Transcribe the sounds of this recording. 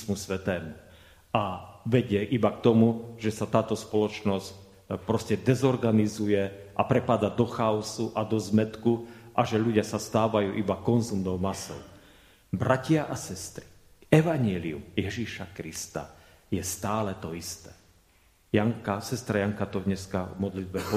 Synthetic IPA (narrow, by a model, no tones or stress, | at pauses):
smusʋɛt̪ɛːmu | aʋɛɟɪɛʔibak̚t̪ɔmuʒ̥ɛsat̪aːt̪ɔspɔlɔt͡ʃnɔsc | pɾɔscɛd̪ɛzɔɾɡanizujɛʔapɾɛpad̪ad̪ɔxaɔsuʔad̪ɔzmɛt̪kuʔaʒɛʎuɟɪasast̪aːʋajuːʔibakɔnzumnɔʊmasɔ̰ʊ | bɾacɪaʔasɛst̪ɾi̥ | ɛʋaɲɛliṵmjɛʒiʃakɾist̪a̰jɛst̪aːlɛt̪ɔist̪ɛː | jaŋkasɛst̪ɾajaŋkat̪ɔd̪ɲɛskavmɔd̪lid̪̚bɛp